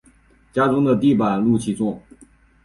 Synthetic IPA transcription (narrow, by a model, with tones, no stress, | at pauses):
t͡ɕja˥ʈ͡ʂʊ˥ŋd̪ə˨t̪i˥˩pa˨˩nlu˥˩t͡ɕʰi˥t͡sʊ˥˩ŋ